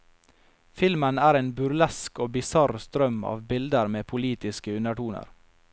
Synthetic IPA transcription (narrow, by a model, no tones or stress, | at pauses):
fɪlmənæːɾeːnbʉɾlɛskoːbɪsɑɾst̪ɾœmɑ̰ːʋbɪld̪əɾmeːpʰʊliːt̪ɪskəʉnəʈuːnə̰ɾ